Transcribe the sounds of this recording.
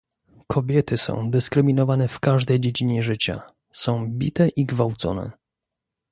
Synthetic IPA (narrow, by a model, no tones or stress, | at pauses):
kʰɔbʲjɛt̪ɘsɔ̰̃w̃d̪ɘskɾɘmʲinɔvanɛfkaʐd̪ɛjd͡ʑed͡ʑiɲɛʐɘt͡ɕa̰ | sɔ̃w̃bʲḭt̪ɛʔiɡvawt̪sɔ̰nɛ̰